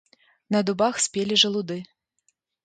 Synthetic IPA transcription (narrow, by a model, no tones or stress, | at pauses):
nɐd̪ubaxsʲpʲelʲiʐɐlˠud̪ɨ